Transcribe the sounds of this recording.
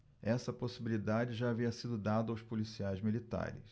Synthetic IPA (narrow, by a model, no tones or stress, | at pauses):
ɛsɐposibilid̪ad͡ʒɪʒaːviɐsid̪ʊd̪ad̪ʊawspolisiajzmilit̪a̰ɾɪ̰s